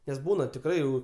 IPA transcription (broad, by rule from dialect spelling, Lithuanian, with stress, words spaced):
nʲɛs ˈbuːnɐ tʲɪkˈrɐɪ jɛʊ